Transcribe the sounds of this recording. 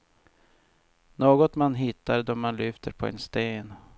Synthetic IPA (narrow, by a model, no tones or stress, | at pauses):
noːɡɔt̪manɦɪt̪ːaɾd̪ɔmanlʏːft̪əɾpʰɔɛ̰nst̪eːn